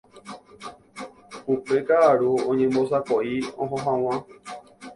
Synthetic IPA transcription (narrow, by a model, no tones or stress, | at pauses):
upekaʔaɾuõɲẽmbosakoʔiõɦõɦãw̃ã